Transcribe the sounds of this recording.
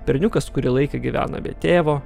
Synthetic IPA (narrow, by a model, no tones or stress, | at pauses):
pʲɛɾʲnʲʊkɐskʊɾʲilˠɐɪkʲeɡʲiʋʲæ̰ːnɐ̰bʲḛt̪ʲeːʋoː